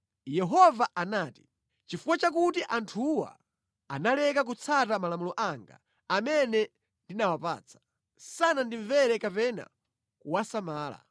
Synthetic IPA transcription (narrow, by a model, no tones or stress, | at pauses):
jɛɦɔvaʔanaːti̥ | t͡ʃifuwat͡ʃak̬utiʔantʰuwa̰ | analɛkak̬ut͡sʰatamalamulɔʔaŋɡa̰ː | mɛnɛ | ndinawapa̰ːt͡sʰḁ | sanandiɱvɛɾɛkapɛna̰ | kuwasamaːla̰